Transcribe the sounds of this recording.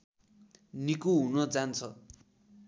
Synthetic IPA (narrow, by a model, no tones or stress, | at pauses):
nikuɦunʌd͡zant͡sʰʌ